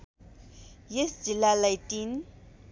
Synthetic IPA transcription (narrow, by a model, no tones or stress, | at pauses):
jɛsd͡ʒilalajtin